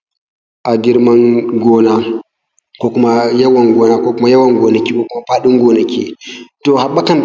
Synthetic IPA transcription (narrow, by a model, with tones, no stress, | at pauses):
ʔa˨di˦ɾma˦nɡɔna˨ | kɔ˨ku˦maja˦wanɡɔna˨kɔku˦ma˦ja˦wa˦nɡɔna˨ki˦kɔ˨kuma˨pa˦ɗu˦ŋɡɔna˨kːi˦tɔha˨ɓːa˦ka˦n